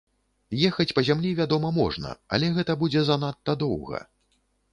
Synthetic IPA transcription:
jɛxɐt͡sʲpɐzʲamlʲivʲad̪ɔmɐmɔ̰ʐnɐ̰ɐ̰lʲɛɣɛt̪ɐbud͡zʲɛzanat̪ːɐd̪ɔwɣɐ̰

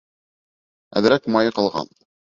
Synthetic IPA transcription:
æ̰ðɾækmɑjɤqɑ̆lˠʁɑ̰n

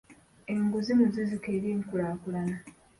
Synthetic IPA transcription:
eŋɡuzimuzizike̞ːɾiŋkulaːkulana

